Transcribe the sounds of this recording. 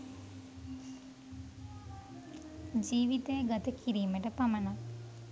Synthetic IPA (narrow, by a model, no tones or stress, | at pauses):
d͡ʒiːʋit̪ejəɡat̪əkʰiɾiːməʈəpaməna